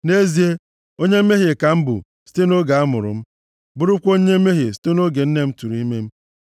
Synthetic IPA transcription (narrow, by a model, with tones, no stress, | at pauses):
ne˦zi˦e˦ | o˦ɲe˦m̩˦me˦ɦe˨ka˨m̩˦bʊ̰˨ | si̥˦te˦no˦ɡa˨a˦mʊ̰˨ɾʊ̰˨m̩˦ | bʊ˦ɾʊ˦kʷo˦ɲe˦me˦ɦe˨si̥˦te˦no˦ɡe˨n̩˦ne˦m̩˦tu˨ɾu˨i˦me˦m̩˦